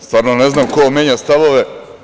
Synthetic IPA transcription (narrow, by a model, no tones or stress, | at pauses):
st̪vʋaːɾnoneznaːmkomjeːɲast̪aʋoʋe